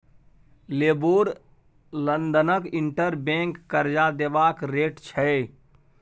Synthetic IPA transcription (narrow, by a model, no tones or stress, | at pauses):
leboːɾ | lənd̪ənəkiɳʈəɾbẽŋkːəɾd͡ʒad̪ebakɾeːʈt͡ʃʰɛ